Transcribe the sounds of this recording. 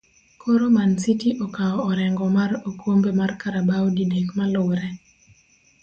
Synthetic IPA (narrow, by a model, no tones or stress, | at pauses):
kʰoɾomansitiʔɔkaɔːɾɛŋɡɔmarokwombemarkaɾabaɔdidekmalowɾɛ